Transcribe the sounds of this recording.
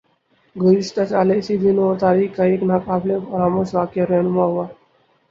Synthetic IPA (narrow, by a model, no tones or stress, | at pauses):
ɡəɾiʂʈat͡ɕalesid̪ʱinoɾt̪aɾiːkaieknakaplefəɾamosʋakjaɾenumaʋa